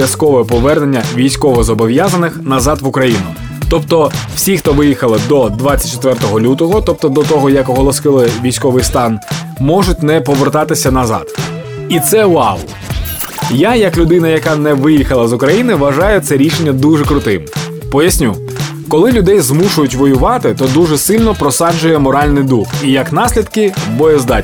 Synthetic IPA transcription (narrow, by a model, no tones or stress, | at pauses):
jɐskɔʋɔɛpɔʋɛrne̞nʲːɐʋʲijsʲkɔʋɔzɔbɔʋjazɐnɪxnɐzɑd̪ʋʊkɾɐjinʊ | t̪ɔpt̪ɔwsʲixt̪ɔʋɪjixɐlˠɪd̪ɔd̪ʋat͡sʲːɐt̚ʲt͡ʃːɔt̪ʋɛrt̪ɔɦɔlʲut̪ɔɦɔt̪ɔp̚t̪ɔd̪ɔt̪ɔɦɔjɐkɔɦɔlˠɔskɪlˠɪʋʲijsʲkɔʋɪjst̪ɑn | mɔʒʊt̚ʲnɛpɔʋert̪ɑt̪ɪsʲɐnɐzɑ̰d̪̥ | it̪sɛʊɑ̰lˠ | jajɐklʲʊd̪ɪnɐjɐkɑnɛʋɪjixɐlˠɐzʊkɾɐjinɪʋɐʒɑjʊt̪sɛɾʲiʃenʲːɐd̪uʐɛkɾʊt̪ɪm | pɔjɐsʲnʲu | kɔlˠɪlʲʊd̪ɛjzmuʃʊjʊtʲʋɔjʊʋɑt̪ɪt̪ɔd̪uʒɛsɪlʲnɔpɾɔsɑd͡ʒʊjɛmɔɾɑlʲnɪjd̪uxijɐknɑsʲlʲid̪kɪbɔjɛzd̪ɑ